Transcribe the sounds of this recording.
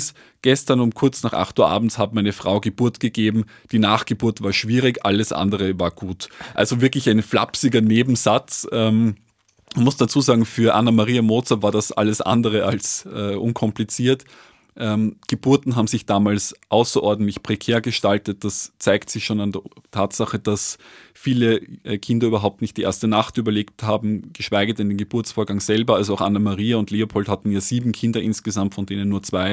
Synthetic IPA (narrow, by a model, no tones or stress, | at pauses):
s | ɡ̥ɛstɐnʊmkʰʊɐt͡snaːχʔa̰χtuːɐʔa̰ːbm̩tshaːbmaɪnəfʁ̥a̰ʊɡəb̥uɐtɡ̥əɡeːbm̩ | d̥iːnaːχɡ̥əbuɐtvaːɐʃv̥iːʁɪçʔa̰ləsʔa̰ndəʁəvaːɐɡ̥uːtʔa̰lzovɪɐklɪçæɪnfla̰psɪɡɐneːbm̩zat͡sʔɛm | mnmʊsd̥at͡suːzaːɡŋ̩fyːɐʔanɐmaʁiːamoːt͡sɐvaːɐdasʔa̰ləsʔa̰ndəʁəʔa̰lsʔɛːʔʊnkʰɔmplit͡siːɐt | ʔɛːmɡ̥əb̥ʊɐtn̩ɦaːbm̩zɪçd̥aːmaːlsʔaʊsɐʔɔɐdn̩tlɪçpʁ̥ekʰeːɐɡəʃtaltət̚d̥ast͡saɪktsɪçʃoːnandɛtʰaːtsaχəd̥asfiːləʔkʰɪndɐyːbɐɦaʊp̚tnɪçtd̥iʔḛɐstənaχtʔyːbɐleːkthaːbm̩ɡ̥əʃv̥aɪɡədɛndeːnɡəb̥ʊɐt͡sfoːɐɡaŋz̥ɛlbɐalzoaʊxʔanamaʁiːaʊndleːopʰɔlthatn̩jaːz̥iːbm̩kʰɪndɐʔɪnsɡ̥əzamtfɔndeːnənːuːɐt͡sv̥aɪ